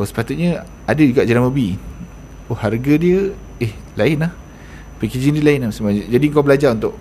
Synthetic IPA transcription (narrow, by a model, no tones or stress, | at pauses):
osə̥pat̪ut̪̚ɲə | adəd͡ʒuɡaʔd͡ʒanaməbi | oharɡədiə | ehlaɪnlah | pəkid͡ʒindilaɪnamsimad͡ʒadiŋkabəlad͡ʒaɾunt̪ʊʔ